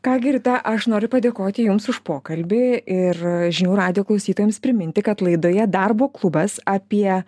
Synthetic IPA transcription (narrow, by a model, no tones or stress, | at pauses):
kɑːɡʲɪrt̪ɐʔɐʃnoːɾʲʊpɐd̪ʲeːkoːt̪ʲɪjʊmsʊʃpoːkɐlʲbʲɪɪrʒʲɪnʲuːɾɑːd̪ʲɪjoːklˠɐʊsʲiːt̪oːjɛmspʲɾʲɪmʲɪnʲt̪ʲɪkɐt̪lˠɐɪd̪oːjɛd̪ɑrboːklˠʊbɐsɑːpʲiɛ